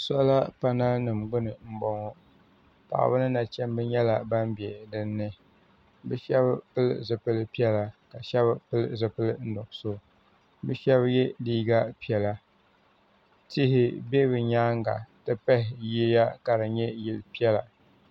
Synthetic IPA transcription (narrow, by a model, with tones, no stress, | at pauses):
sɔ˦la˦pa˦na˦nɨ˨mɡ͡bʊ˦nɨ˨m̩˦bɔ˦ŋɔ˦ | pa̰˨ʔa̰˨bɨ˦nɨ˦na˨t͡ʃɛ˦m˦bɨ˦ɲɛ˦la˨ba˦mbi˨ɛ˨dɨ˦nːɨ˦ | bɨ˦ʃɛ˦bpɨ˦lzɨ˨pɨ˦lɨ˦pi˦ɛ˦la˨ka˨ʃɛ˦bɨ˦pɨ˦lzɨ˨pɨ˦lɨ˦n̩˦dɔ˨ʔso˦ | bɨ˦ʃɛ˦bjɛ˦diː˦ɡa˦pi˦ɛ˨la˨ | ti˦hɪ˦be˦bɨ˨ɲaː˦ŋɡa̰˨tɨ˦pɛ˦hɪ˨ji˦ja˦ka˨ɾɨ˨ɲɛ˦ji˨lpi˦ɛ˦la˨